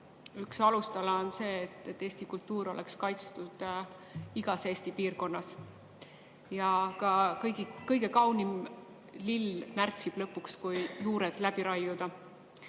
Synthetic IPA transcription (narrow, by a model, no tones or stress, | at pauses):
yksɑlust̪ɑlɑonse̞ːt̪ːˑet̪ːeːst̪ikult̪ːuːɾo̞̰lekskɑjt̪st̪ud̪̥ | iɡ̥ɑse̞ːsʲt̪ipiːrko̞nːɑs | jɑkɑkɤjɡikɤjɡ̥e̞kɑwnim | lilmært̪sib̥lɤpːˑukskujjuːɾed̪̥læb̥iɾɑjud̪̥ɑ